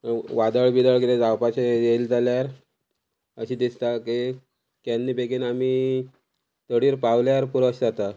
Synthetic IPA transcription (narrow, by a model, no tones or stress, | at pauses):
ʋad̪əɭbid̪əɭkiled͡zawpat͡ɕejeld͡zaljaɾ | əɕiːd̪ist̪ake | kanːiːbeɡiːnami | t̪əɽiːɾpaʋljaɾpuɾəɕd͡zat̪a